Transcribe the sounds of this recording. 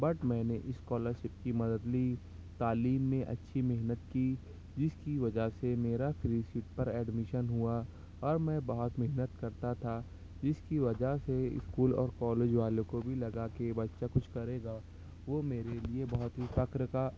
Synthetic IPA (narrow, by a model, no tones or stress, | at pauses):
bɐʈmɛ̃ːneʔɪskɔːləɾʃɪp̚kimɐd̪əd̪liː | t̪aːliːmːẽʔɐ̰tːʃʰimɪɦnət̪kiː | d͡ʒɪskiʋɐd͡ʒaɦsemeːɾapɪlisɪʈpɐɾɛːɖmɪʃənɦua | ɔːɾmɛ̃ːbɐɦɔt̪mɪɦnət̪kɐɾt̪at̪ʰa | d͡ʒɪskiʋɐd͡ʒaseɪ̰skuːlɔ̰ːɾkɔːleːd͡ʒʋaːlõkobʱilɐɡakebɐtːʃakʊt͡ʃʰkɐɾeːɡaː | ʋoːmeːɾeliebɐɦʊt̪ɦifɐkɾka